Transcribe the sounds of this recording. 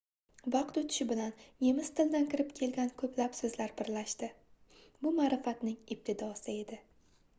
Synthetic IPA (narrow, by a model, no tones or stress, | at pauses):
vɑqt̪ɵt̪ʰɪ̥ʃɪbɪlanje̞mɪz̥t̪ʰɪld̪ankʰʲɪɾɪpkʲʰe̞lɡʲankʰɵpʰlapsɵzlaɾbɪɾlaʃt̪ɪbʊmaːɾɪfat̪nɪŋɪp̚t̪ʰɪd̪ɒsɪe̞d̪ɪ